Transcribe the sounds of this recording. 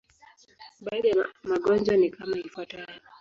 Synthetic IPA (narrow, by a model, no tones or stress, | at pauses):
ɓaːɗaamaɠɔnd͡ʒwanikamaifwatajɔ